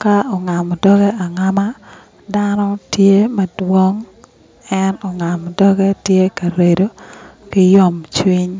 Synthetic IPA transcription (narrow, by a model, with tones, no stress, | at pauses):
ka˦ɔ˨ŋa˨m˨dɔ˦ɡɛ˦a˨ŋa˦ma˦ | da˦nɔ˦tje˦mɛ˨dwo˦ŋ | ɛ˦nɔ˨ŋa˨mdɔ˦ɡɛ˦tje˦ka˨ɾe˨do˦kɪ˦jɔ˦˨mt͡ʃwi˦ɲ